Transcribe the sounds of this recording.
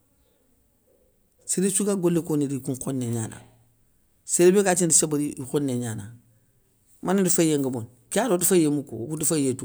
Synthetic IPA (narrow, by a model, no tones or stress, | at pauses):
siɾisukaːɡolːekoniɾikuŋxonːeɲaːna̰ | seɾebekat͡ʃindisebaɾiixonːeɲana̰ | manidufajeŋɡabon | kiaɾotufajemuko̰kutufajetu